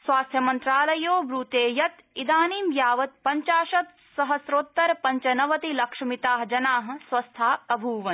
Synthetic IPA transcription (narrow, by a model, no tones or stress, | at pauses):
sʋaːst̪ʰjɐmɐnt̪ɾaːlɐjoːbɾuːt̪eːjɐt̪id̪aːniːmjaːʋɐt̪̚pɐɲt͡ʃaːʃɐt̪ | sɐɦɐsɾoːt̪ːɐɾpɐɲt͡ʃɐnɐʋɐt̪ilɐkʂɐmit̪aːɦd͡ʒɐnaːɦɐ̆sʋɐst̪ʰaːɐbʱuːʋɐn